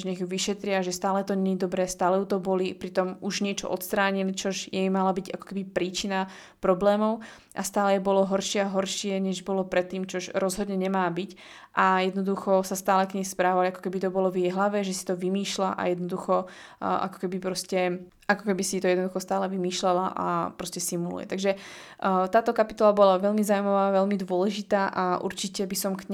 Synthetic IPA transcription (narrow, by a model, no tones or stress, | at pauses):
ɲɛɣjuʋiʃɛt̪ɾɪaʒɛst̪aːlɛt̪ɔɲɛɲid̪ɔbɾɛːst̪aːlɛjut̪ɔbɔlipɾit̪ɔmuʒɲɪɛt͡ʃɔ̰ʔɔt̪st̪ɾaːɲilit͡ʃɔʒjɛjmalabiɟakɔ̥kɛbipɾiːt͡ʃina | pɾɔblɛːmɔʊ | ʔast̪aːlɛjɛbɔlɔɦɔɾʃɪɛaɦɔɾʃɪɛɲɛʒbɔlɔpɾɛt̪ːiːmt͡ʃɔʒɾɔzɦɔd̪ɲɛɲɛmaːbic | ʔajɛd̪nɔd̪uxɔsast̪aːlɛkɲɛjspɾaːʋaliakɔ̥kɛbit̪ɔbɔlɔvjɛjɦlaʋɛʒɛsi̥t̪ɔʋimiːʃlaʔa̰jɛd̪nɔd̪uxɔʔa̰kɔ̥kɛbipɾɔscɛ | ʔakɔkɛbisit̪ɔjɛd̪nɔd̪uxɔst̪aːlɛʋimiːʃlɛlaʔa̰pɾɔscɛsimulṵjɛ̰t̪aɡʒɛ | t̪aːt̪ɔkapit̪ɔlabɔlaʋɛlmizaːumaʋaːʋɛlmid̪ʊɔlɛʒit̪aːʔaʔṵɾt͡ʃicɛbisɔmkɲ